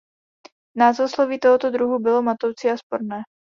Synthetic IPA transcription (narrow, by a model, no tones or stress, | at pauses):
naːzosloviːt̪oɦot̪od̪ɾuɦubɪlomat̪owt͡siːaspoɾnɛː